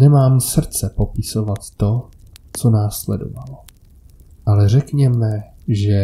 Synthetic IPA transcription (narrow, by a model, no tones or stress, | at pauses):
nɛmaːmsr̩t͡sɛpo̞pɪso̞vat̪ːo̞t͡so̞naːslɛ̰do̰valo | ʔalɛr̝ɛkɲɛmɛ | ʒɛ